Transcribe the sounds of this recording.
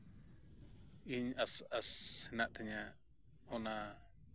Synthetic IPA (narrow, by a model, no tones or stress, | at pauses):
iɲasasɛnaʔt̪ʰɛɲa | ɔna